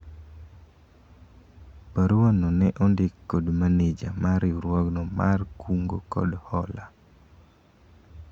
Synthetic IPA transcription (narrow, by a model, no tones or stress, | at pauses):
paɾuwanɔnɛʔɔndɪkːodmaned͡ʒamaɾɪuɾwɔɡnɔmarkuŋɡo̰kɔ̰dhɔla